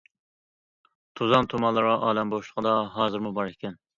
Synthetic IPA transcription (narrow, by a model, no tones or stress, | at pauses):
t̪ʰuzɑnt̪ʰomɑnlˠɨɾʁɑʔɑːlɛmboʃlˠəʁəd̪ɑɦɑːzɨɾmubɑɾekʲʰɛn